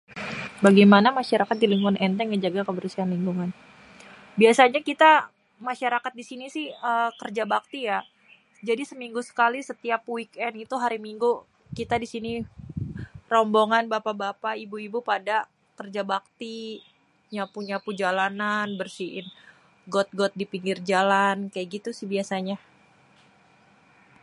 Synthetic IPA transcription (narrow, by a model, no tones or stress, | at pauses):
baɡajmanamaʃaɾakat̪̚diliŋɡuanʔɛnt̪ɛŋəd͡ʒaɡakəbərsianliŋɡuŋan | biasaɲakit̪a | maʃaɾakat̪̚disinisɪhəkərd͡ʒabak̚t̪ija | d͡ʒadisəmiŋɡusə̥kalisət̪iapwikɛnit̪uɦaɾimiŋɡu | kit̪adisini | rɔmboŋanbapabapaibuibupada | kərd͡ʒabak̚t̪i | ɲapuɲapud͡ʒalananbərsiʔɪn | ɡɔt̪̚ɡɔt̪̚dipiŋɡɪrd͡ʒalankajaʔɡit̪usɪhbiasaɲa